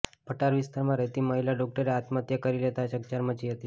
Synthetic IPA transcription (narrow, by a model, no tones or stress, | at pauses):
pəʈaɾʋɪst̪aɾmãɾəɦt̪iməɦilaɖɔk̚ʈəɾeat̪mət̪jəkəɾilet̪aʃək̚t͡ʃaɾmət͡ʃiɦət̪i